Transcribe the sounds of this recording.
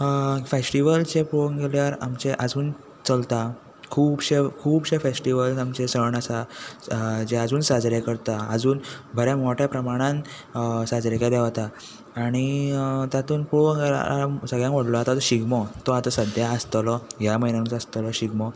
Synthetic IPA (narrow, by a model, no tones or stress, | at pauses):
fesʈiʋəlt͡sepuɽoŋɡeljaɾamt͡ɕeʔəd͡zuːn | t͡səlt̪a | kʰuːbɕekʰuːbɕefesʈiʋəlsamt͡ɕesəɳasa | d͡ʑead͡zuːnsad͡zɾekəɾt̪aəd͡zuːnbʱəɾjamoʈʰjapɾəmaɽ̃ãn | sad͡zɾekeleʋat̪aː | ɽ̃it̪jat̪uːnpuɭoŋɡel̰asəɡɭjãŋkʋəɽlɔat̪at̪ɔɕiɡmɔt̪ɔat̪əsəd̪ʱjaəst̪lɔɦjaməinanuːt͡səst̪lɔɕiɡmɔ